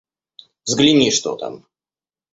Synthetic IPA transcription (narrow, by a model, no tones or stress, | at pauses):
vzɡlʲɪnʲiʂt̪o̰t̪a̰m